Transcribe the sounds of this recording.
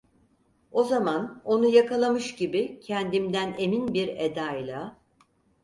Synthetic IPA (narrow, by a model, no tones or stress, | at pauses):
o̞zamano̞nujakʰalˠamɯʃɟibicʰɛnd̪imd̪æneminbiɾed̪ajlˠa